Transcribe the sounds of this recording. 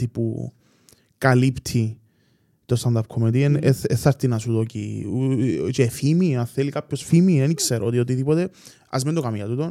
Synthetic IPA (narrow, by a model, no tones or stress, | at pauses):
ipṵ | kalipt̪ʰi | t̪ost̪ɐnd̪ɐp̚kʰomet̪ieneeθːɐɾt̪inɐsut̪ocḭ | t͡ʃefimianθelikapçosfimienikseɾot̪iot̪̬iðipot̪e | ɐ̰zmend̪okamjɐt̪ut̪on